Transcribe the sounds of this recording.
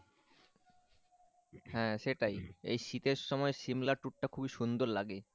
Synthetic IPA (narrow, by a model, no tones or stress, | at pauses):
hɛ̃ːʃeʈajḛjʃit̪eɾʃɔmɔeʃimlaʈuʈ̚ʈːakʰubiʃund̪oɾlaɡe